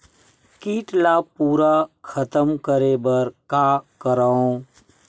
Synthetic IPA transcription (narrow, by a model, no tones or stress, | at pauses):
kiːʈlaːpuːɾakʰət̪əmkəɾebəɾkaːkəɾaːõ